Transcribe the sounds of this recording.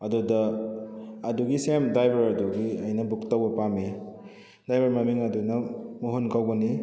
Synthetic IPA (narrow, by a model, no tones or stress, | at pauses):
ɐdudɐː | duɡisemdajbɐɾɐduɡiɐjnɐbuktawbɐpami | dajbɐɾmamiŋɐdunɐmuɦonkawbɐni